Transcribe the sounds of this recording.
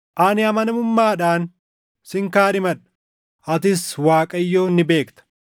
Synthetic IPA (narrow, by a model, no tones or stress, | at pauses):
ʔɐnɪɐmɐnɐmʊmːaːᶑaːn | sɪŋkaːᶑɪmɐᶑɐ̥ | ʔɐt̪ɪswaːkʼɐjːo̞ːnːɪbe̞ːkt̪ɐ̥